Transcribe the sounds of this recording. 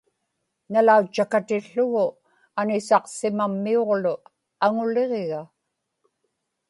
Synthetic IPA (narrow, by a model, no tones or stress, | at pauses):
nalaut͡ʃːakat̪ɪɬːʊɣʊ | anɪsɑqsɪmamːio̞ʁlʊ | aŋʊle̞ʁeɣa